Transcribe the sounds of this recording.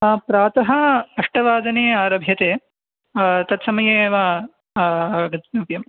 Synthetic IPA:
pɾaːt̪ɐɦɐɐʂʈɐʋaːd̪ɐneːaːɾɐbʱjɐt̪eː | t̪ɐt̪sɐmɐjeːʋaː | ɡɐt̪nupjɐm

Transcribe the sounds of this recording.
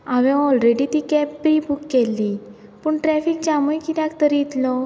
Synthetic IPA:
aʋɛ̃ɔlɾeɽit̪ikɛpːɾibukːɛlːi | puɳʈɾɛfikt͡ɕaməjkit̪akt̪əɾjit̪lɔ

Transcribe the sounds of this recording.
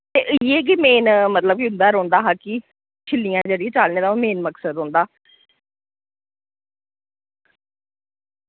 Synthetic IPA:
t̪eːʔjeːk̬imeːnmət̪ləb̚kiʊ̃nd̪aːɾõːnd̪aːɦaːki | t͡ʃʰɪlːijãːd͡ʒəɽiẽːt͡ʃaːlneːd̪ãːmeːnməksəd̪ɦõːnd̪aː

